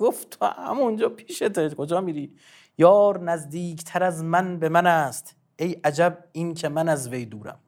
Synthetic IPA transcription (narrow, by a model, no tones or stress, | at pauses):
ɡ̥oft̪ʰo̰hæ̰mund͡ʒɒːpʰiːʃet̪ekʰod͡ʒɒːmiːɾiː | jɒːɾnæzd̪iːkʰt̪ʰæɾæzmænbe̞mænæːst̪ | ʔe̞jʔæd͡ʒæb̚iːncʰemænæzvejd̪uːɾæ̰m